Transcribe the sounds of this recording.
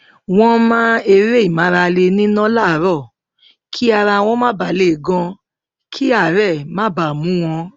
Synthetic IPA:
w̃ɔ̃˧mã˦e˧ɾe˦i˨mã˨˦ɾa˧le˧nĩ˦nã˦la˦˨˦ɾɔ˦˨ | kʰi˦a˧ɾa˧w̃ɔ̃˧˦mã˦ba˨˦le˨ɡɔ̃˧ | kʰi˦a˦˨ɾɛ˦˨mã˨˦ba˨mũ˨˦w̃ɔ̃˧

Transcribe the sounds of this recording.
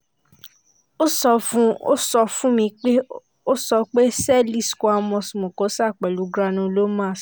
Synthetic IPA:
o˦sɔ˧fũ˦o̰˦sɔ˧fũ˦mĩ˧k͡pe˦ | o˦sɔ˧k͡pe˦sɛ˦˨li˦˨sko˧a˧mɔ̃˧smõ˨kõ˨˦sa˦˨k͡pɛ˨lu˨˦ɡɾa˧nũ˧lo˦mã˦˨s

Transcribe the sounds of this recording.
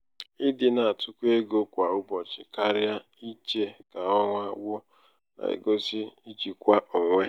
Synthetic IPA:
ɪ˦dɪ˨na˨tʰʊ˦kʷe˦ɡo˦kʷa˨ʊ˦bɔ˨t͡ʃɪ˨ka˦ɾja˦ | i˦t͡ʃe˨ka˨ɔ˦ŋʷa˦wʷʊ˦ | na̰˨ḛ˨ɡo˦si˦i˦t͡ʃi˨kʷa˦ʔʊ˨ŋʷe˦

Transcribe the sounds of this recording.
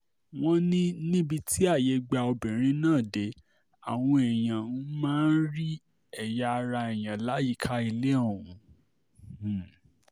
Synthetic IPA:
w̃ɔ̃˦nĩ˦nĩ˦bi˧tʰi˦a˦˨je˨˧˦ɡ͡ba˧o˧bĩ˨ɾ̃ĩ˦nãː˦˨de˨˦ | a̰˨w̃ɔ̃˧ɛ˨j̃ã˨nũ˦mãː˦n̩˦ɾi˦ | ɛ˦˨ja˧ɾa˧ɛ˨j̃ã˨la˨˦ji˦˨kʰa˦i˧le˦o˦˨ɾ̃ũ˨˦˨

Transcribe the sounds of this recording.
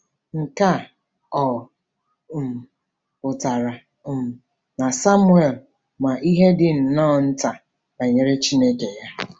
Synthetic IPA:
ŋ̩˨ka˦˨ | ɔ˨ | pʊ˨ta˨ɾa˨ | na˨sa˦mʊ˦e˨l | ma˨ʔi˦ɦe˦dɪ˨n̩˨nɔː˦˨n̩˦ta˨ | ba˨ɲe˨ɾe˦t͡ʃi˦ne˦ke˨ja˦

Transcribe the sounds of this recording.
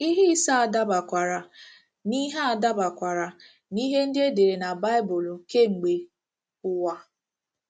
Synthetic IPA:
i˦ɦi˦sa˦a˨da˦ba˨kʷa˨ɾa˨ | ni˦ɦa˦a˨da˦ba˨kʷa˨ɾa˨ | ni˦ɦe˦n̩˦dɪ˦e˦de˨ɾe˨na˨ba˦ɪ˦bʊ˨l̩˨ke˦ŋ͡m̩˨ɡ͡be˨ | ʊ˦wa˦

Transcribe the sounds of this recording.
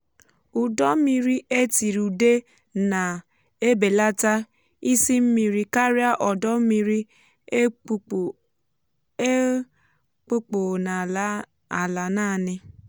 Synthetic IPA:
u˨dɔ˦mi˦ɾi˦e˦ti˨ɾu˨de˦ | na˨ | e˦be˨la˦ta˦ | i˦si˦m̩˦mi˨ɾi˦ka˦ɾi˦a˦ʔɔ˨dɔ˦m̩˦mi˦ɾi˦ | k͡po˦k͡po˨na˨˦ | a˨la˨naː˦˨nɪ˦

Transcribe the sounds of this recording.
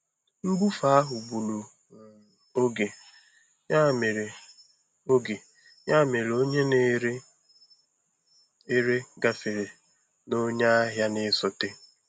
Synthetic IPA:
ŋ͡m̩˦ɡ͡bu˦fa˦a˦ɦʊ˨bu˨lu˨ | o˦ɡe˨ | a˦˨me˨ɾe˨ | o˦ɡe˨ | ɲa˦˨me˨ɾe˨o˦ɲe˦ne˦ɾ | e˦ɾe˦ɡa˨fe˨ɾe˨ | no˦ɲa˦a˦ɦja˦nɪ˦sʊ˨tɪ˦

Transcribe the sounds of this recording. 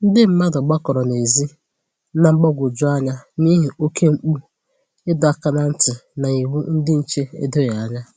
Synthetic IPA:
n̩˦dɪ˦m̩˦ma˦dɔ˨ɡ͡ba˦kɔ˨ɾɔ˨ne˨zi˦ | na˦ŋ͡m̩˦ɡ͡bɔ˦ɡʷʊ˨d͡ʒʊ˦a˦ɲa˦ni˦ɦi˨o˦kʰe˦ŋ͡m̩˦k͡pu˦ | ɪ˦dʊ˨a˦ka˦na˨n̩˦tɪ˨na˨i˨wu˦n̩˦dɪ˦n̩˨t͡ʃe˦ḛ˦do˦ja˨a˦ɲa˦

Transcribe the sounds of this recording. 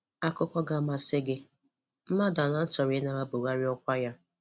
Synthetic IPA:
a˦kʊ˦kʷɔ˦ɡa˦ma˨sɪ˦ɡɪ˦ | m̩˦ma˦da˨na˦t͡ʃɔ˨ɾɪ˨˦na˨ɾa˦bo˨ɣa˦ɾɪ˦ɔ˦kʷa˦ja˦

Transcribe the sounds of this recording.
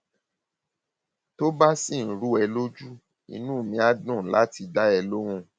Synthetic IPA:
to˦ba˦si˦˨n̩˨ɾu˦ɛ˧lo˦d͡ʒu˦ | ḭ˦˧nũ˦˨mĩ˧˦a˦dũ˦˨la˦ti˨˧da˦ɛ˧lo˦ɾ̃ũ˦

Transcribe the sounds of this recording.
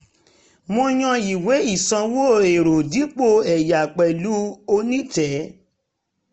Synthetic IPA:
mõ˧j̃ã˧i˨we˨˦i˦˨sã˧wo˦˨e˨ɾo˨di˨˦k͡po˦˨ɛ˨ja˨k͡pɛ˨lu˦o˧nĩ˦tɛ˨˦

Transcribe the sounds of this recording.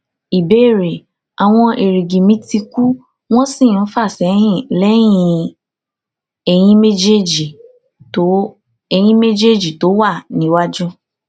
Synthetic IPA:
i˨be˦˨ɾe˨ | a˨w̃ɔ̃˧ʔe˨ɾi˨ɡĩ˨mĩ˨˦ti˧ku˦ | w̃ɔ̃˦sĩ˦˨˦fa˦˨sɛ˨˦hĩ˦˨lɛ˨˦j̃ĩ˧ | ɛ˧j̃ĩ˧˦me˦d͡ʒe˦d͡ʒi˨ | to˦ | ɛ˧j̃ĩ˧˦me˦d͡ʒe˦˨d͡ʒi˨to˨˦wa˦˨nĩ˨˦wa˦d͡ʒũ˦

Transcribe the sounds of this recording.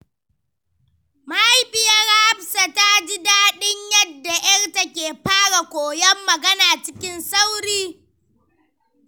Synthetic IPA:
ma˦ha˦jɸɪ˨ja˦ɽa˦a˦ɸsa˨ta˦d͡ʒɪ˦daː˦ɗɪ˦ɲjɐ˦dːa˨jɐ˦rta˦kʲeː˨ɸaː˦ɽa˨kʷoː˨jɐ˦mːɐ˨ɡɐ˦naː˨t͡ʃɪ˦kʲɪ˦nsa˦wɾiː˦

